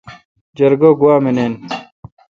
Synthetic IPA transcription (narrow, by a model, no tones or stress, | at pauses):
d͡ʑɐɾɡoɡuwaːmeneːn